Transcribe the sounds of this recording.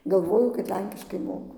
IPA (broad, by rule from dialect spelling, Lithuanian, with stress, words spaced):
ɡɐlˠˈʋoːjʊ kɐt ˈlʲɛŋʲkʲɪʃkɐɪ ˈmoːkʊ